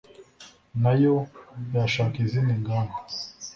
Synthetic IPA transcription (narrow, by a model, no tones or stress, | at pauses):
najojaʃakiziniŋɡana